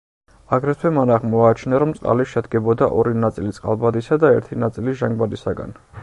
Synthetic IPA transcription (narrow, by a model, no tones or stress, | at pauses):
aɡɾɛt̪ʰwɛmanaʁmɔat͡ʃʰnaɾɔmt̪sʼqʼa̰liʃɛd̪ɡɛbɔd̪aʔɔɾinat̪sʼilit̪sʼqʼa̰lˠbad̪isad̪aɛɾt̪ʰinat̪sʼiliʒaŋɡbad̪isaɡa̰n